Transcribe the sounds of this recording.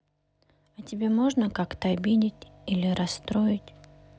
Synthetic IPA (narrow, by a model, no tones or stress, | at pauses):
ɐtʲɪbʲe̞moʐnəkakt̪əɐbʲidʲɪtʲilʲɪɾʔɐsːt̪ɾoɪtʲ